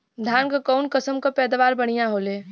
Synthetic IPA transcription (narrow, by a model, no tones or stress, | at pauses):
d̪ʱaːnkakɔʊnkəsəmkapɛːd̪ʋaːɾbəɽ̤̃ijãɦoːleː